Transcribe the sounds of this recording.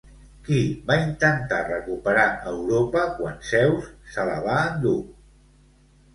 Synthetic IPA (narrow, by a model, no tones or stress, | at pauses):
kiβaint̪ənt̪arəkupəɾaəwɾopəkwansɛwsːələβ̞aːnd̪u